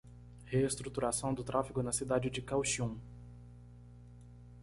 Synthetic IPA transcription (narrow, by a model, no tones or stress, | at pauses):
heːst̪ɾut̪uɾasɐ̃w̃d̪ʊt̪ɾʔafiɡʊnɐsid̪ad͡ʒɪd͡ʒɪkawʃiũ